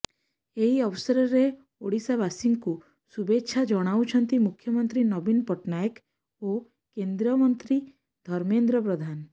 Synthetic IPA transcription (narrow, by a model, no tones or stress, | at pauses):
eɦiɔwsɔɾɔɾe | oɽisabasiŋɡku | subetʃʰad͡ʒɔɽ̃awt͡ʃʰɔnt̪imukʰjɔmənt̪ɾinɔbinpɔʈnajək | o | kend̪ɾəmɔnt̪ɾi | d̪ʱɔɾmend̪ɾəp̬ɾɔd̪ʱan